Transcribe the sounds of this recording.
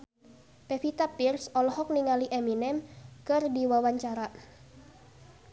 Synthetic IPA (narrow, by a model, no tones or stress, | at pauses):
pɛfit̪apirsɔlɔɦɔk̚niŋaliʔɛminɛmkɨrdiwawaɲt͡ʃaɾa